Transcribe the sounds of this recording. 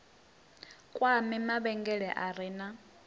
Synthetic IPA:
kʼwamɪmaβɛŋɡɛɺɛʔaɾiːna

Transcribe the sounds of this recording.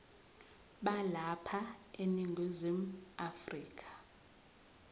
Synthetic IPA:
ɓalapʰaeniŋɡʱizim̩afriːkʼʰḁ

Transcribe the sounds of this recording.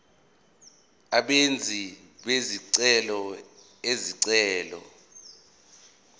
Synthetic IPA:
aɓend͡zʱi | ɓeziǀɛlɔ | eziǀɛːlɔ̰

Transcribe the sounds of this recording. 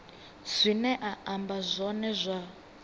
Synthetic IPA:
zʷinɛʔaambazʷɔnɛzʷa

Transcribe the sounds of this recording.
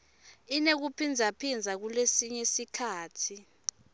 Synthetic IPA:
inek̬upʰind͡zʱapʰind͡zʱak̬ulesiɲesikʰaːtʰi

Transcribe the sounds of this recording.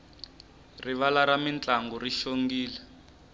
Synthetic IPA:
riβalaɾamint͡ɬaŋɡɔriʃoŋɡiːlɛ

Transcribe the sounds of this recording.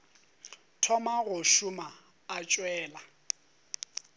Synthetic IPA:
tʰɔmaɣʊʃʊmaː | t͡ʃʼwɛːla

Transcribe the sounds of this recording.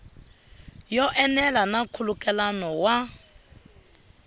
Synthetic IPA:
jɔʔɛnɛlanakʰulukʼɛlanɔwa

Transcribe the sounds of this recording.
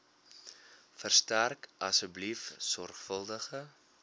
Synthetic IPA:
fərstærkɐsəblifsɔrχfəlˠdəχə

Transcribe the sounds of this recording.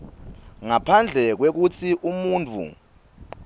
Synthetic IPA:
ŋapʰand͡ɮʱɛk̬wek̬ut͡sʰiʔumuːnt͡fʰṵ

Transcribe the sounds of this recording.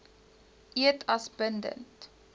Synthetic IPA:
ʔiətʰɐsbəndə̰nt

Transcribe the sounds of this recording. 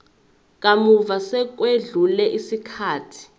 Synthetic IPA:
k̬ʼamuvasɛk̬weɮulɛʔisikʰaːtʰi̥

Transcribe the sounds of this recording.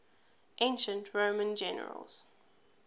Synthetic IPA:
ʔẽɪ̃nʃə̃ntʰɹõʊmə̃nd͡ʒɛnə̰ɹə̰lz̥

